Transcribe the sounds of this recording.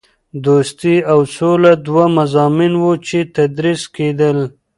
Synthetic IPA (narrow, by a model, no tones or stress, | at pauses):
d̪ost̪iawsolad̪wamazɑːminwot͡ʃet̪ad̪ɾisked̪əl